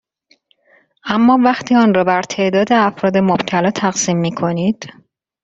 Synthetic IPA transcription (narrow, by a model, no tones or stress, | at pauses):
ʔæmːɒːvæxt̪ʰiːɒːnɾɒːbæɾt̪ʰe̞ʔd̪ɒːd̪eæfɾɒːd̪e̞mob̥t̪ʰælɒːt̪ʰæɣsiːmːiːkʰo̞niːd̪̥